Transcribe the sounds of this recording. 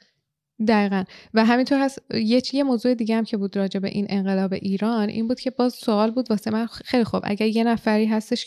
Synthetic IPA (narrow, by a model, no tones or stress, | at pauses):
d̪æiːɣænvæɦæmint̪ʰo̞ɾhæsje̞cʰje̞moːzuːe̞d̪iːɟehæmcʰe̞buːd̪ɾɒːd͡ʒe̞be̞̰ʔinʔe̞ŋɢe̞lɒːbe̞̰ʔiːɾɒːnʔḭːnbuːd̪̚cʰe̞bɒːzsoɒːlbuːd̪vɒːsemænxejlixubʔæ̰ɟæɾje̞næfæɾiːɦæst̪e̞ʃ